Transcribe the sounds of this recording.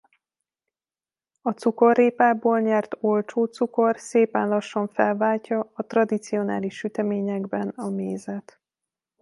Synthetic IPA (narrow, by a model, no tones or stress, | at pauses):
ɒt̪suko̞rːeːpaːboːlɲɛrt̪o̞lt͡ʃoːt̪suko̞rseːpɛnlɒʃːoɱfɛlvaːlcɒɒt̪rɒd̪it̪sio̞na̰ːliʃyt̪ɛmeːɲɛɡbɛnɒmeːzɛt̪